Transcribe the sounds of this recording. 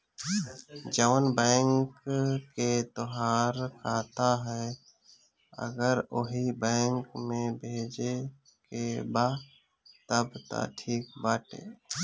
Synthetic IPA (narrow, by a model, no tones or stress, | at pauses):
d͡ʒəʋnbɛ̃ːŋkket̪oɦaːɾkʰaːt̪aɦɛ | ə̰ɡəɾoɦibɛ̃ːŋkmẽbʱeːd͡ʒe | kebaː | t̪əbt̪a̰ʈʰiːk̚baːʈḛː